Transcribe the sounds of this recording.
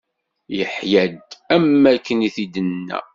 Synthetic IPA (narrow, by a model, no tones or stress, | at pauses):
jəħjæd̪æmːækːəniθid̪ənːæ̰